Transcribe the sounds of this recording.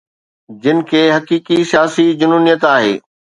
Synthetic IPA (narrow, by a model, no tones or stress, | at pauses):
d͡ʑɪnɪ̆kʰeːɦɐkiːkisijaːsid͡ʑʊnuːnijət̪aːɦḛː